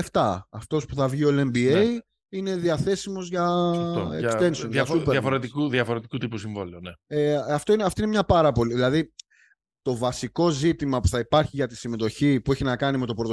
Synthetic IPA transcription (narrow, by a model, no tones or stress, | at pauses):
eft̪ɐɐft̪o̞spuθɐvʝiolembiej | ine̞ðiɐθe̞simo̞zʝɐ | ḛkst̪e̞nsonɐsupeɐfoɾet̪ikuðjɐfoɾe̞t̪i̥kut̪ipusiɱvo̰lioneeɐft̪oineɐft̪oinemɲɐpɐɾɐpo̞liðilɐði | t̪o̞vɐsiko̞zit̪imɐpu̥θɐipɐɾçiʝɐt̪i̥sime̞t̪o̞çipue̞çinɐkɐnime̞t̪o̞pɾot̪o